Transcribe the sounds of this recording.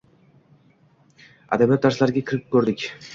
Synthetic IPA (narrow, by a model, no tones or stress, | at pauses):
a̰d̪abijat̪ːaɾslˠɑɾɡʲakʰiɾip̚kʲɵɾd̪ikʲ